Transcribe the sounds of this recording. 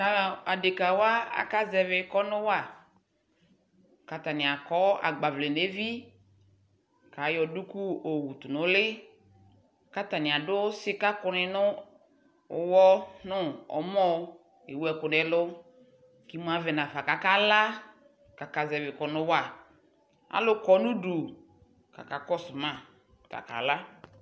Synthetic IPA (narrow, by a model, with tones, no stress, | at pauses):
a˨a˨de˨ka˨wa˦a̰˨ka˦zɛ˨vɪ˨kɔ˦nʊ˦wa˦˨ | ka˨ta˨nɪ˨a˨kɔ˦a̰˨ɡ͡ba˨vle˨ne˦vi˦ | ka˨jɔ˨du˦ku˦o˨wu˨tu˨nʊ̃˨˦lɪ˦ | ka˦ta˨nɪ˨a˨dʊ˦sɪ˦ka˦kʊ˨nɪ˨nʊ˦ | ʊ˨wɔ˦nʊ˦ɔ̰˨˦mɔ˦ | e˨wu˦ɛ˨kʊ˨nɛ˨˦lʊ˦ | ki˦m˦a˦vɛ˨nã˨fa˨ka˨ka˦la˦ | ka˨ka˨zɛ˨vɪ˨kɔ˨nʊ˦wa˦˨ | a̰˦lʊ˦kɔ˨˦nʊ˦du˨ | ka̰˨ka˨kɔ˦sʊ˨mã˦˨ | ta̰˨ka̰˨la˦